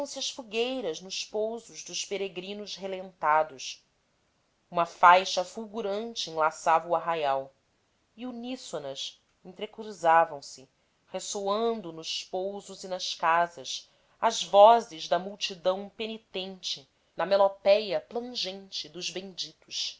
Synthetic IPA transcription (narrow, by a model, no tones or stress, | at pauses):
ɐ̃w̃sɪɐʃfuɡejɾɐznʊʃpowzʊʒd̪ʊʃpeɾeɡɾĩnʊʃɦelẽnt̪ad̪ʊʃ | ũmɐfajʃɐfuwɡuɾɐ̃nt͡ʃɪẽlasavɐuaɦajaw | iunisonɐs | ẽt̪ɾekɾuzavɐ̃w̃sɪ | hesoɐ̃nd̪ʊnʊʃpowzʊzinɐʃkazɐs | ɐzvɔzɪʒd̪ɐmuwt͡ʃid̪ɐ̃w̃penit̪ẽnt͡ʃɪ | nɐmelopɛjɐplɐ̃ʒẽnt͡ʃɪd̪ʊʒbẽd͡ʒit̪ʊʃ